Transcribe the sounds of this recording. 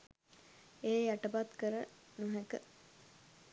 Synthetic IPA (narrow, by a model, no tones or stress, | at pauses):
eːjaʈəpat̪kəɾənuɦekə̰